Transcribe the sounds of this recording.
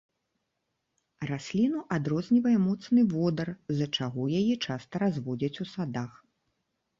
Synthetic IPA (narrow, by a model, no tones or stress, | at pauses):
rasʲlʲinuʔad̪ɾɔzʲnʲivɐjɛmɔt̪snɨvɔd̪ɐrzɐt͡ʂaɣɔjajɛt͡ʂast̪ɐɾazvɔd͡zʲɐt͡sʲusad̪ax